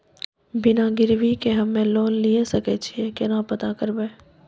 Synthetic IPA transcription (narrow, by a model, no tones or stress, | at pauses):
bɪnaɡɪɾʋikeɦɐmːẽloːnlijesɐket͡ʃʰiekenapɐt̪akəɾbeː